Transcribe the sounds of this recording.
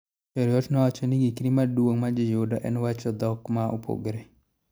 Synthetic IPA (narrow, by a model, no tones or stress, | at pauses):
t͡ʃɔɾjɔtnɔwat͡ʃɔniɡikɾimadwoŋmad͡ʒɪjodɔʔɛnwat͡ʃɔd̪ɔkmaʔo̰pʰo̰ɡɾe